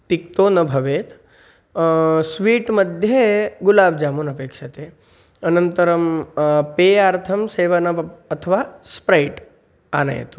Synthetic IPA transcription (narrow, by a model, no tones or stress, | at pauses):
t̪ik̚t̪onɐbʱɐʋeːt̪ | sʋiːʈməd̪ʱjeɡulaːbd͡ʒaːmuːnɐpeːkʂɐt̪e | ənənt̪əɾəmpeaːɾt̪ʰɐmseːʋənɐət̪ʰəʋaspɾajʈ | a̰ːna̰jḛt̪u